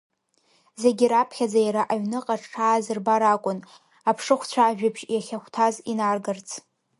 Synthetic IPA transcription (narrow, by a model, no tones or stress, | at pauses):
zeɡʲirapʰχʲad͡zajaɾaʔaɥnɨqʼaʈ͡ʂʰaːzɨrbaɾakʷʼʊn | apʰʂɨχʷt͡ɕʷʰaːʒᶣɪbʰʒjaχʲaχʷtʰazinarɡart͡sʰ